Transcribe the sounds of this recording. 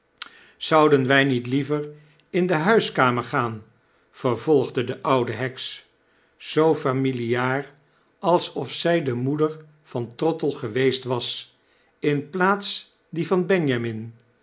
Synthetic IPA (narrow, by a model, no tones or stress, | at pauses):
z̥ʌwdənʋɛjnitlivər | ɪndəɦœɥskaːməɹχaːn | v̥əɹv̥ɔlˠχdədəʔʌwdəɦɛks | z̥owfamiliaːr | ɑlˠsɔfsɛjdəmudəɹ | v̥ɑntrɔtəlˠχəʋejstʋɑs | ɪnplaːts | divɑnbɛɲjamɪn